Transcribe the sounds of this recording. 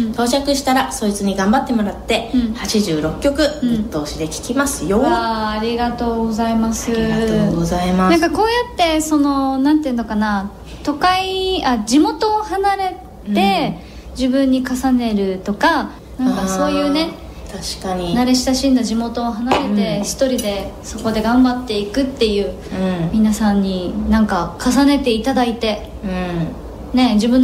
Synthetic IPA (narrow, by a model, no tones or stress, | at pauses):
t̪ʰo̞ːt͡ɕakɯ̟ɕi̥t̪aɾaso̞it͡sɨɲ̟iɡãmbat̪ːe̞mo̞ɾat̪ːe̞ɴhat͡ɕiʑɨːɾo̞kʲːo̞kɯ̟̃ɯt̪ːo̞ːɕid̪e̞kʲi̥kʲimasɨjoaaɾʲiɡat̪o̞ːɡo̞zaimasɨaoɡozaimanãŋkako̞ːjat̪ːe̞so̞no̞nãnt̪eɯ̟̃nokana | t̪o̞kaiad͡ʑimo̞t̪o̞ːhanaɾe̞ | e̞ | d͡ʑibɯ̟̃ɲ̟ːikasane̞ɾɯ̟t̪o̞ka | nããŋkaso̞ːjɯ̟ːne̞ | t̪aɕkaɲinaɾe̞ɕi̥saɕĩnd̪aʑimo̞t̪o̞ːɦanaɾe̞t̪e̞çi̥t̪o̞ɾʲid̪e̞so̞ko̞d̪e̞ɡãmbat̪ːe̞ikɯ̟t̪ːe̞jɯ̟ː | mʲinasãɲ̟ːinãŋkakasane̞t̪e̞it̪ad̪ait̪e̞ | ne̞d͡ʑibɯ̟n